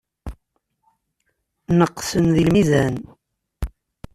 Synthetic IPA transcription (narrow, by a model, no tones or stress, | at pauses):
nəqːsənðilmizæn